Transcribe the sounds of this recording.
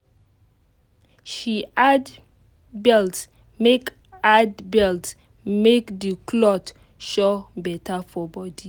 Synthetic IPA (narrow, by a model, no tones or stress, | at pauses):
ʃiad | bɛlts | mek | adbɛlts | mekdikʰlɔt | ʃɔbɛtʰafɔbɔdi